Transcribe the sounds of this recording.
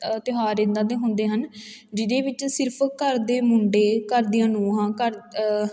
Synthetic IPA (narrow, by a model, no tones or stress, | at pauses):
t̪ɪɦaːɾẽnd̪ãːd̪eːɦʊnd̪eːɦənd͡ʒɪd̪eːʋɪt͡ʃsɪɾpʰkəɾd̪eːmʊɳɖeːkəɾd̪ijãːnũːɦãːkəɾ